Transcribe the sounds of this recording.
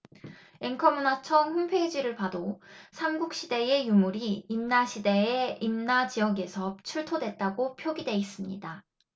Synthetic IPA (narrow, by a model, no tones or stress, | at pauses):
e̞ŋkʰʌmunat͡ɕʰʌŋɸunpʰed͡ʑiɾɯɭpadosʰamɡuk̚ɕ͈ide̞e̞jumuɾiːmnaɕʰide̞eimnat͡ɕijʌɡe̞sʰʌt͡ɕʰuɭtʰodwe̞t̚t͈aɡopʰjoɡidwe̞is͈ɯmɲḭda